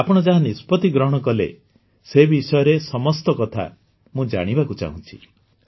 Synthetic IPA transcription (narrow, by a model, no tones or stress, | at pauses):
apɔɽ̃ɔd͡ʒaɦanispɔt̪iɡɾɔɦɔɽ̃ɔkɔlḛ | sebisɔjɔɾesɔmɔst̪ɔkɔt̪ʰa̰ | mũd͡ʒa̰ɽ̃ibakut͡ʃa̰ɦṵ̃t͡ʃʰi̥̰